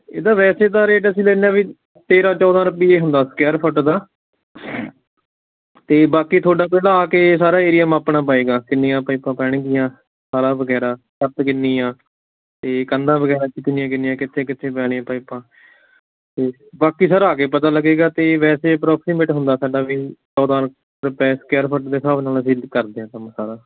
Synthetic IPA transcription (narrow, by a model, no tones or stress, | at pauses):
ḛːd̪aːʋɛːseːt̪aːɾeːʈəsĩːlɛːnãːʋiː | t̪eːɾãːt͡ʃɔːd̪ãːɾʊpiːeːɦʊnd̪aːsə̥kɛːɾpʰəʈd̪aː | t̪eːbaːkiːt̪ʰoːɖaːpɛːlãːaːkeːsaːɾaːeːɾɪjəmaːpɳaːpaːeːɡaːkɪnːiːãːpaipãːpɛːɽ̃ɡɪjãː | saːɾaːbəɡɛːɾaːkəɾt̪kɪnːiːjãː | t̪eːkənd̪ãːbəɡɛːɾaːkɪt̪ːnijãːkɪniːjãːkɪt̪ʰːẽːkɪt̪ʰːẽːpɛːɽ̃eãːpaːipãː | t̪eː | baːkiːsəɾaːkeːpət̪aːləɡeːɡaːt̪eːʋɛːseːpɾɔːksiːmeːʈɦʊnd̪aːsaːɖaːʋiːsɔːd̪aːɾ | ɾpɛːskɛːɾpʰəʈd̪eːsaːbnaːlːsiːlkəɾd̪eːãːt̪əmsaːɾaː